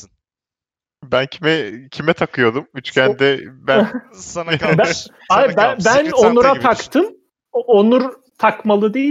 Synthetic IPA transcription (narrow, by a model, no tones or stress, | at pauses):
bæncʰimɛcʰimɛt̪ʰakʰɯjo̞d̪umyt͡ʃcʰʲænd̪ɛbæ | b | abæbæno̞nuɾat̪ʰakt̪ʰɯm | onuɾ | t̪ʰakmalˠɯd̪e